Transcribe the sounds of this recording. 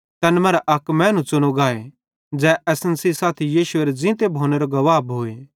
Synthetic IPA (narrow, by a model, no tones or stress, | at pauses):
t̪ɐnmɛ̃ːɾaʔɐkmɛ̃ːnũt͡ʃʊñoɡaːe | d͡ʒɛːʔɛsənsisaːt̪ʰijiːʃʊeɾd͡zɪ̃t̪ebʱoːneɾoɡɐʋaːbɦoːe